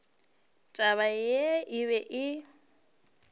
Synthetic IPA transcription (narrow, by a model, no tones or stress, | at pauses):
tʼaβajeɪβɛʔɪ